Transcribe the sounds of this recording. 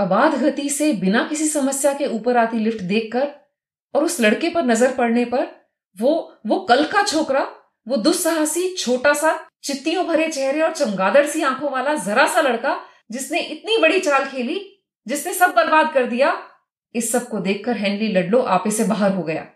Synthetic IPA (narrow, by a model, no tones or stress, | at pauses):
ɐbaːd̪ɡʱɐt̪isebɪnakɪsisɐməsjakeuːpəɾaːt̪ilɪfʈd̪eːkʰːɐɾ | ɔːɾʊslɐɽkepɐɾnɐzəɾpɐɽnepɐɾ | ʋoʋokɐlkat͡ʃʰoːkɾa | ʋod̪ʊsɐɦasit͡ʃʰoːʈasat͡ʃɪt̪ːijõbʱɐɾet͡ʃɛɦɾeɔːɾt͡ʃɐ̃ŋɡaːd̪əɽsiãːkʰõʋaːlazɐɾasalɐɽka | d͡ʒɪsneʔɪt̪nibɐɽit͡ʃaːlkʰeːli | d͡ʒɪsnesɐb̚bɐlbaːd̪̚kɐɾd̪ija | ɪsːɐb̚kod̪eːkʰːɐɾɦɛ̃ːɳɖlilɐɖloʔaːpesebaːɦəɾɦoɡɐja̰ː